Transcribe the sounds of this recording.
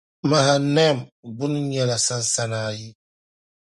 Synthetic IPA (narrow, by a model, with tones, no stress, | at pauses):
ma˨ɦa˨nɛ˦˨mɡ͡bu˦n˦ɲɛ˨la˨sa˦n˦sa˦naː˨ji˦